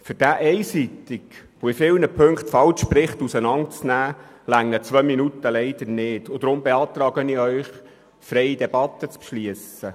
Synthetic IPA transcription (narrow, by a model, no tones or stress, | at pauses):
fyɾd̥æʔɛɪsit̪ikʋoifɪlnəpʰɵŋktfɑlt͡ʃprɪχt̪usənɑnt͡snæːlæŋːət͡sʋœminut̪əlɛɪd̪̥əɾnɪːtʊd̪ɾʊmbeɑːt̪rɑːɡənɪœʏχ | frɛjid̪ɛbɑt̪ːət͡spʃliəsə